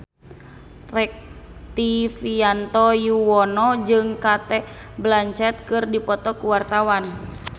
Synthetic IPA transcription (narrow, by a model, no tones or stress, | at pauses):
rɛk̚t̪ifiant̪ɔjuwɔnɔd͡ʒɨŋkat̪ɛ | blaɲt͡ʃɛt̪̚kɨrdipɔt̪ɔkuwart̪awan